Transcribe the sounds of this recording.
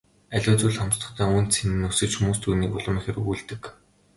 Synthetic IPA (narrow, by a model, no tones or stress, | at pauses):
æɮʲʊːt͡suːɮχɔmst̪ə̆χt̪ʰæːŋunt̪t͡sʰenɘ̆nːusɘ̆t͡ɕxumuːst̪ʰuːniːkʊɮə̆miːŋxeɾuːɮt̪ɘ̆k